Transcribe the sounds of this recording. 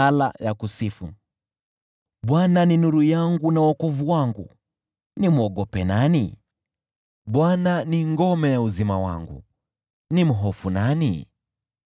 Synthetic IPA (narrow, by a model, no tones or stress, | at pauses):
ala̰jakusifṵ | ɓwananinuɾujaŋɡunawakɔvuwaŋɡu | nimuɔɠɔpɛnanḭ | ɓwananiŋɡɔmɛjauzimawa̰ŋɡṵ | nim̩ɦɔfunanḭ